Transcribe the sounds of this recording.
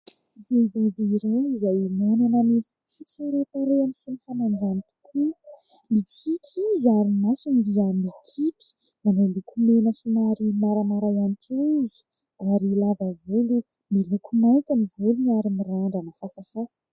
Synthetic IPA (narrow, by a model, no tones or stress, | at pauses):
veveveiɾeizawimonanəmi | hit͡siɾet̪aɾeanisinihanand͡ʒanit̪u̥kʰumit͡sikʲʰizaɾimasunid̪iəmikʰiti̥ | manolukʰumenəsunaɾimaɾamaɾajaniʈ͡ʂoizi̥ | aɾilavəvulu | milukʰumajkʲanivuluniaɾimiɾaɳɖ͡ʐanəhafahafə̥